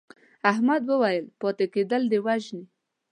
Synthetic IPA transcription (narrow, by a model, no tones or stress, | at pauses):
aɦmad̪wəwajəlpɔt̪eked̪əld̪ewaʒni